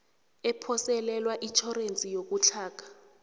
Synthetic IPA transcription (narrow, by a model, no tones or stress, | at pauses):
ɛpʰɔsɛlɛlwaʔit͡ʃʰɔrent͡sʼijok̬ut͡ɬʰaːk̬ʰḁ